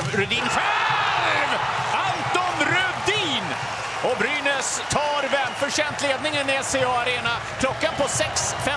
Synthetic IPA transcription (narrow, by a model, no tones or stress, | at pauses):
ɾʉd̪inɧɛ | vant̪ɔnɾɵd̪iːn | ɔbɾyːnəs | t̪ʰɑːɾvɛmfœʂɛnt̪leːd̪̚nɪŋənɛseɑːaɾeːna | kʰlɔkːanpɔsɛksfɛ